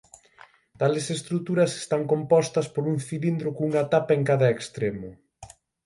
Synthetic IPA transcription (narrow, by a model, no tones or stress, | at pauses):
t̪alesest̪ɾut̪uɾɐse̥st̪aŋkompɔst̪ɐspoɾuŋθilind̪ɾʊkuŋɐat̪apɐeŋkaðɐekst̪ɾemʊ